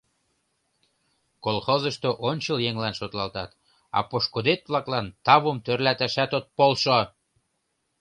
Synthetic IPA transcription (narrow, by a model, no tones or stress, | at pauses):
kolxozəʃt̪oʔonʲt͡ɕəljeŋlɑnʃot̪lɑlt̪ɑt̪ | ɑ̰poʃkod̪et̪̚βlɑklɑnt̪ɑβəmt̪ørlæt̪æʃæt̪ot̪̚polʃo